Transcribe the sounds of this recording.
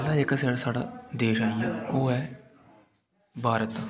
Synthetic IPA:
laekəs̬aːɽaːsaːɽa̰ːd̪eːʃaoːɦɛː | bʱaːɾət̪

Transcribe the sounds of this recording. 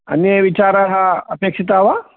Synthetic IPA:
ɐ̰njəʋit͡ʃaːɾaɦɐpeːkʂit̪̬aɦʋa

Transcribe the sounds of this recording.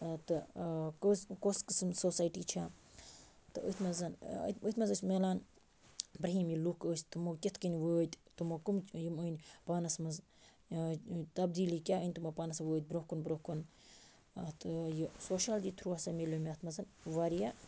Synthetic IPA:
t̪ɨkɨskoskɨsmsoːsaːjʈiːt͡ʃʰa | t̪ɨə̰t̪ʰmɐzɐnə̰t̪ət̪ʰmɐzəsʲmelaːn | bɾɐɦiːmjilukəːsʲt̪ɨmokʲit̪ʰkənʲʋəːt̪ʲt̪ɨmɐkumt͡ʃjiməːnʲpaːnɐsmɐz | t̪ɐbd̪iːliːkʲaːənʲt̪umɐpaːnɐsɐʋəːt̪̚ʲbɾohkunbɾohkun | t̪ɨjisoːʃaːld͡ʒit̪ʰɾuːasɐmʲiluːmʲat̪ʰmɐzɐnʋaɾija

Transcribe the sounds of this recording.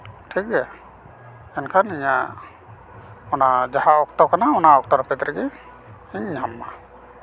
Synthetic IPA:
ʈʰik̚ɛ | ɛnkʰaniɲa | ɔnad͡ʒahaɔk̚t̪ɔkanaɔnaɔk̚t̪ɔɾapɛt̪ɾɛɡɛ | iɲamːa

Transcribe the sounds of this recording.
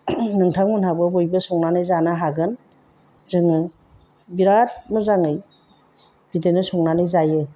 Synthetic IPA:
nɯŋtʰaŋmunhabɯbojbɯsɔŋnanɯjzanaɦaɡɯn | zɯŋɯ | biɾat̚mɔzaŋɯj | b̥idenɯsɔŋnanɯjzajɯ

